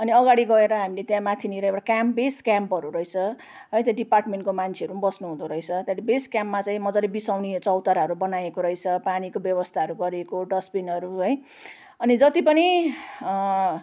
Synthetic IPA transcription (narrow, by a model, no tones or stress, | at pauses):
ʌniʌɡaɽiɡʌeɾʌɦamilet̪jãmat̪ʰiniɾjeʈakjampbeskjampʌɾuɾʌjt͡sʰʌ | ɦʌjt̪jãɖiparʈmeɳʈkomant͡sʰeʌɾubʌsnuɦũd̪oɾʌjt͡sʰʌt̪jãlebeskjampmat͡saĩmʌd͡zʌɾebisawnit͡sʌwt̪aɾaɦʌɾubʌnajekoɾʌjt͡sʰʌpanikobjʌbʌst̪ʰaʌɾuɡʌɾekoɖʌspinʌɾuɦʌj | ʌnid͡zʌt̪ipʌni